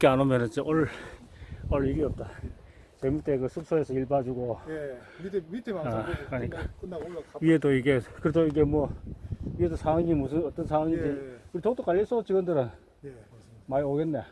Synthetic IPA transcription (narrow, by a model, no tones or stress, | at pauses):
k͈eanomjʌnɯnd͡ʑeʔʌɭ | ʌɭiɡiʌp̚t͈a | t͡ɕemut͈eɡɯsʰɯp̚s͈ʰoesʰʌiɭbad͡ʑuɡo | akaɲikka | ɥiɦedoiɡekɯɾedoiɡemʌɥiɦedosʰaŋwaŋimusʰɯnʌt͈ʌnsʰaŋwaŋiteuɾit̪ʰok̚t͈ok͈aʎːjʌs͈ʰot͡ɕiɡʌndɯɾɯn | maioɡenːe